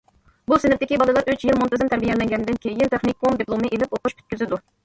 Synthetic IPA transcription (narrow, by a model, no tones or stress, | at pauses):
busɪnɪp̚t̪ɪkʲibɑlˠɨlˠɑɾøt͡ʃʰjilmunt̪ɨzɪmt̪ʰæɾbijɛlɛŋɡʲɛnd̪ɪnkʲʰejint̪ʰeχnikʲomd̪iplˠomɨʔelɪpoquʃkʲʰyt̪̚kʲyzɪd̪u